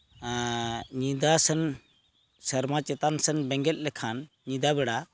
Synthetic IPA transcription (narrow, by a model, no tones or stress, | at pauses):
ɲid̪asɛn | səɾmat͡ʃɛt̪ansɛnbɛŋɡɛt̪̚ˀlɛkʰan | ɲid̪aβɛɽa